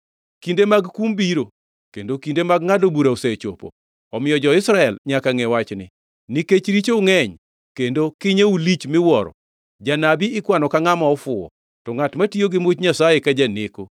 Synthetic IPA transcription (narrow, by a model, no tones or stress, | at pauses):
kindemaɡkumbiɾo | kendokindemaɡ̚ŋadobuɾauset͡ʃo̰po̰ | ɔmɪjɔd͡ʒɔɪsɾaɛlɲakaŋɛwat͡ʃnɪ̰ | niket͡ʃɾit͡ʃoŋɛɲ | kendokɪɲeulit͡ʃmɪwɔɾɔ̰ | d͡ʒanabiɪkwanɔkaŋamɔɔfʊɔ̰ | tɔŋatmatioɡɪmot͡ʃɲasajekad͡ʒaneko